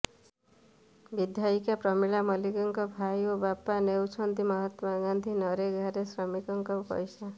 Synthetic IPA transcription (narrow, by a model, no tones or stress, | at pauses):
bid̪ʱjaikapɾɔmiɭamɔliɡɔŋkɔbʱajobapanewt͡ʃʰɔnt̪imɔɦɔt̪aɡand̪ʱinɔɾeɡʱaɾesɾɔmikɔŋkɔpɔ̰jsa